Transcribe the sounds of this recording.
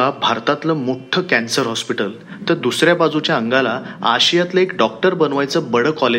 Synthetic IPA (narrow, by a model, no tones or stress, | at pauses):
abʱaɾt̪at̪ləmoʈʰəkɛ̃nsəɾɦɔspiʈəl | t̪əɾd̪usɾjabad͡zut͡ɕjaəŋɡalaa̰ɕijat̪ləekɖɔk̚ʈəɾbənʋajt͡səbəɽəkɔle